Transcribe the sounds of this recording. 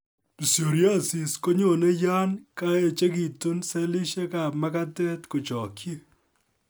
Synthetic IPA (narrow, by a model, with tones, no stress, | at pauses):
bu˨sjo˨ɾja˦˨si˨sko˦ɲo˨ne˦ja˦nka˦e˨t͡ʃe˦ki˨tu˦nsɛ˦li˦ʃe˦ka˨pma˦ka˦tɛ˦tko˨t͡ʃɔ˨kʰje˦